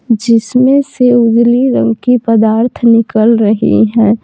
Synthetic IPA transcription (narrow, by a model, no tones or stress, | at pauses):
d͡ʒɪsmẽseʊd͡ʒliɾə̰̃ŋkipəd̪aːɾt̪ʰnɪkəlɾəɦḭɦɛ̃ː